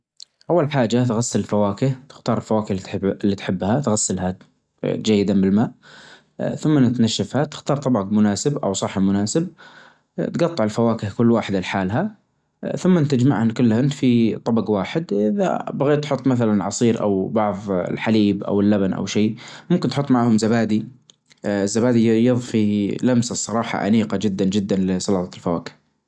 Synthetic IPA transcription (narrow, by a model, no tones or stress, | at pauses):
ʔawːalħaːd͡ʒat̪ɣasːalɪlfawaːkɪht̪ɪ̥xt̪ɑːɾˤɪlfawaːkɪhllːit̪ħɪbːhat̪ɣasːɪlɦa | d͡ʒajːɪd̪anbɪlmaːʔ | θʊmːanɪt̪naʃːafhat̪ɪ̥xt̪ɑːɾˤt̪ˤɑbɑɡmʊnaːsɪbʔa̰wsˤɑħːamʊnaːsɪb̚ | t̪ɡɑt̪ˤːɑʕɪlfawaːkɪhkʊlːwaːħɪd̪ɪlħaːlɦa | θʊmːant̪ad͡ʒmaʕhankʊlːhɪnfit̪ˤɑbɑɡwaːħɪd̪ʔɪða̰baɣeːt̪ħʊt̪ˤːmaθalanʕɑsˤiːɾʔa̰wbɑʕðˤɪ̰lħaliːbʔa̰wɪlːabanʔa̰wʃiːmʊmkɪnt̪ħʊt̪ˤːmaʕhʊmzabaːd̪i | ɪzːabaːd̪ijɨðˤfilamsasˤːɑɾˤɑːħɑ̰ʔa̰niːqad͡ʒɪd̪ːand͡ʒɪd̪ːanlɪsˤɑlɑt̪ˤɑlfawa̰ːkɪ̥h